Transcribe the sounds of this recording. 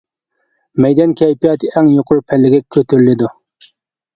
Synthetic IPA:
mɛjd̪ɛnkʲʰɛjpijɑt̪ʰɪɛŋjoqʰʊɾpʰɛlːɪɡʲɛkʲʰøt̪ʰyɾlɪd̪u

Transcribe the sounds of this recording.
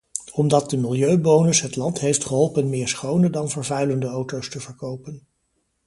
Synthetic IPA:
ɔmdɑt̚dəmɪlˠjøɥbownəsɦətlɑntɦejftχəɦɔlˠpənmɪːɹsχownədɑnvəɹvœɥləndəowtowstəvəɹkowpən

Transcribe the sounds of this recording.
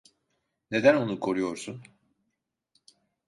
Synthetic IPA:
ne̞d̪æno̞nukʰo̞ɾujo̞ɾsun

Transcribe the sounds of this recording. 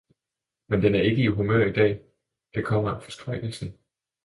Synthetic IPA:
mend̥enæɐe̝ɡ̥əiɦumøɐ̰id̥ɛ̰ː | d̥e̝kʰɒ̽m̰ɐænfɒ̽sɡ̥ʁaɪ̰ɡ̥l̩sn̩

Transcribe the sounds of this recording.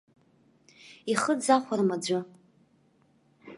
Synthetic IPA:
iχəd͡zaχʷarmad͡ʒʷʊ

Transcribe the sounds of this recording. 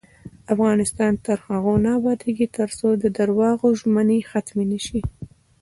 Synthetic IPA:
afɣɑnɪst̪ɑnt̪əɾxaɣonɑbɑd̪eɡit̪əɾsod̪əd̪aɾwɑɣoʒmənexat̪menəʃi

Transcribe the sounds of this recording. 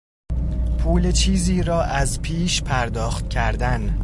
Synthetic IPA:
pʰuːlet͡ʃʰiːziːɾɒːʔæzpʰiːʃpʰæɾd̪ɒːxt̪cʰæɾd̪æn

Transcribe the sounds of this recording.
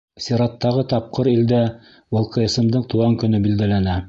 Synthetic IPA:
sʲeɾɑt̪ːɑʁɤt̪ɑp̚qɤɾild̪æ | wɤ̆lˠqɤ̆jɤ̆sɤ̆md̪ɤɴt̪uʁɑŋkɵ̆nɵbild̪ælænæ

